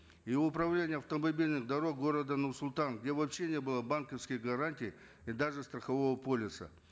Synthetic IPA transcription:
iʊpɾɐvlʲenʲɪjəɐft̪əmɐbʲilʲnɨxd̪ɐɾo̞k̚ɡo̞ɾəd̪ənʊrsʊlʲˠt̪anɡdʲe̞vɐpɕːe̞nʲebɨlˠəbankəfskʲɪjɡɐɾanʲtʲɪj | id̪aʐɨst̪ɾəxɐvo̞vəpo̞lʲɪsə̰

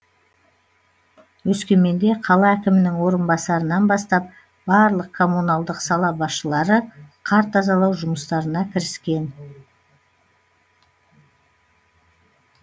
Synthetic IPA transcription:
wɵskʲe̞me̞nd̪e̞qʰɑlˠɑækʲɪmɪnɪŋwo̞ɾənbɑsɑɾənɑnbɑst̪ɑp̚ | b̥ɑɾlˠəq̚kʰo̞munɑlˠd̪əqsɑlˠɑbɑsʃəlˠɑɾəqʰɑɾt̪ɑzɑlˠɑwʒʊməst̪ɑɾənɑkʲʰɪɾɪskʲe̞n

